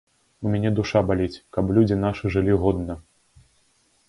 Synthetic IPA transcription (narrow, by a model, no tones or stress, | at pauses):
umʲanʲɛd̪uʂabalʲit͡sʲkɐplʲud͡zʲinaʂɨʐɨlʲiɣɔd̪nɐ